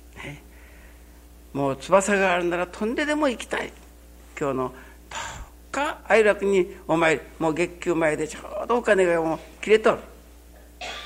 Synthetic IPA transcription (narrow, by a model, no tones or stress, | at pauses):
ne | mo̞ːt͡sɨbasaɡaːɾɯ̟naɾat̪ʰõ̞nd̪e̞d̪e̞mo̞ikʲi̥t̪aḭ | kʲo̞ːno̞ | d̪̥o̥ | kaːiɾakɯ̟ɲ̟iomaeɾimoːɡe̞kʲːɨːmaed̪e̞t͡ɕoːd̪o̞ːkane̞ɡamokʲiɾe̞t̪o̞ɾɯ̟